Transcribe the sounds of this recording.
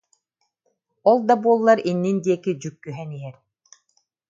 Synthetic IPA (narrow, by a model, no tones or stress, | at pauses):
ɔlˠd̪abuɔlˠːaɾinːind̪iɛkid͡ʑykːyɦɛniɛɾ